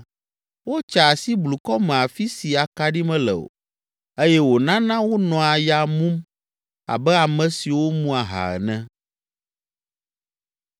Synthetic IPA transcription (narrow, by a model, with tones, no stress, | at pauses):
wo˦t͡ʃa˨si˦blu˨kɔ˦mɛ̃˨a˨fi˦si˨a˨ka˨ɖi˦mɛ̃˦lɛ̰˨o̰˨ | e˦jɛ˦wo˨nã˦nã˦wo˦nɔ̃˨a˨ja˨mũ˦m | a̰˨bɛ˦a˨mɛ̃˨si˨wo˦mũ˦a˨ɦa̰˨ɛ̰˨nɛ̃˦